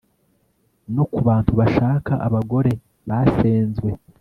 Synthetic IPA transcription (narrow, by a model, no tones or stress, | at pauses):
nokuβaːntuβaʃaːkaʔa̰βaɡo̞ɾe̞ | βaseːnzɡwe̞